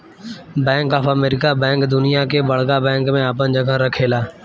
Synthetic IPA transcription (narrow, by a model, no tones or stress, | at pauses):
bɛ̃ːŋkaːfəmeːɾɪkabɛ̃ːŋkd̪ʊnɪjaːkeːbəɽkaːbɛ̃ːŋkmẽaːpənd͡ʒəɡʱãɾəkʰeːlaː